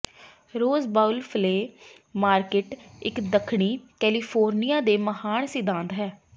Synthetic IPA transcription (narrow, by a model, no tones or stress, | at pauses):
ɾoːzbaːʊlpʰleː | maːɾkeːʈɪkd̪əkʰɳ̃iːkɛːliːpʰoːɾnijãːd̪eːməɦaːɳsɪd̪ãːnd̪ɦɛː